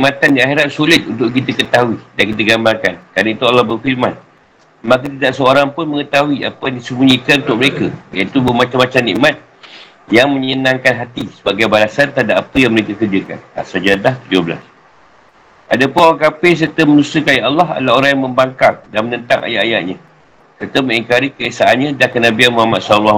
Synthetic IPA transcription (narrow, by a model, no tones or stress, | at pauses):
niʔmat̪andiaxeɾat̪̚sulɪt̪̚unt̪ʊʔkit̪̬əkət̪aɦuidankit̪əɡambarkankɾaɾnəit̪ualːɔhbərfirmãn | mak̬ət̪idaʔsəoɾaŋpʊnməŋət̪aɦuia̰pədisəbuɲĩkanunt̪ʊʔ̚məɾekəjait̪ubmat͡ʃamːat͡ʃamnḭʔmat̪̚ | jaŋmə̃ɲənãŋkanɦat̪isəbaɡajbalasant̪adaʔapəjaŋməɾekakərd͡ʒirka̰na̰sad͡ʒadlaht̪ud͡ʒobəla̰s | ʔadapʊnoɾaŋkapɪs̬ərt̪əmənusəkajaʔalːɑɦa̰laoɾaŋjaŋməmbaŋkaŋdanmənənt̪aŋʔa̰ja̰ʔaja̰ʔɲã | sərt̪əmə̃ŋiŋkaɾikəesaʔanɲãdakənabianmuhamat̪̚sɔllːa